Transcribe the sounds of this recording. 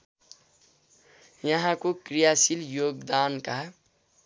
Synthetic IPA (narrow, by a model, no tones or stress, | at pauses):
jɐɦãkokɾijaːsiljoːɡd̪aːnkaɦ